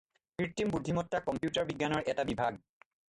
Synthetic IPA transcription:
pɹiɹtimbud̪ʱːimɔtːakɔmpjutaɹbiɡːanɔɹɛtabibʱaɡ̚

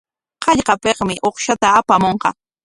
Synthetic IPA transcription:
qɑʎqɑpeqmɪʔoχʃat̪aːpamoɴqɑ̰

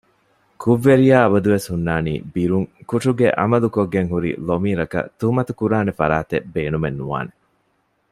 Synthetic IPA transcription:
kuʋːeɾijaːɐbɐd̪uʋeshunːaːnḭːbiɾuŋkuʂuɡḛʔɐ̰mɐlukoɡːeŋɦuɾḭlomiːɾɐkɐ̰t̪umɐt̪ukuɾaːnefɐɾaːt̪ebeːnumenːuʋa̰ːne

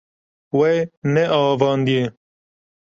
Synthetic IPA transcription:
wenɛʔɑːvɑːnd̪ije

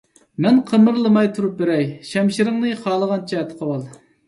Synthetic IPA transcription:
mɛnqʰəmɨɾlˠəmɑjt̪ʰuɾup̚beɾɛjʃɛmʃiɾɨŋnɨχɑːlˠəʁɑnt͡ʃʰɛt̪ʰə̥qʰəwɑlˠ

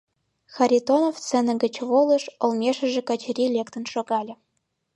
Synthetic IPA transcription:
xɑɾʲit̪onoft͡sɘ̆nɘ̆ɡɘ̆t͡ɕβolˠɤ̆ʃŏlˠmʲeʃɘ̆ʒɘ̆kɑ̆t͡ɕɘ̆ɾʲilʲekt̪ə̆nʃoɡɑlʲɘ̆

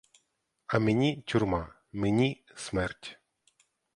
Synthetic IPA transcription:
ɐmenʲitʲurma | menʲi | smɛrtʲ

